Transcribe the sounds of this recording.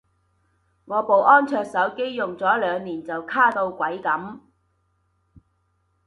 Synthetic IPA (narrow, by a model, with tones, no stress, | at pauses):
ŋɔː˨˧po˨˩wʔɔː˥nt͡ʃʰœː˧k̚sɐ˨˥wke˥jjʊ˨ŋt͡sɔː˨˥lœː˨˧ŋniː˨˩nt͡sɐ˨wkʰaː˥˩t̪o˧wkʷɐ˨˥jkɐ˨˥m